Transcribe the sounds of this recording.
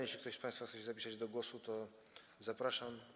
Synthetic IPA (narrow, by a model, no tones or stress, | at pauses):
eʃlʲikt̪ɔɕspãjst̪faxt̪sɛɕɛzapʲisad͡ʑd̪ɔɡwɔsut̪ɔ | zapɾaʂam